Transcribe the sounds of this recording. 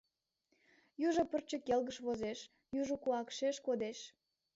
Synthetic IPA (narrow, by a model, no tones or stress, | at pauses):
juʒopərt͡ɕəkelɣəʃβozeʃ | juʒokuɑkʃeʃkod̪eʃ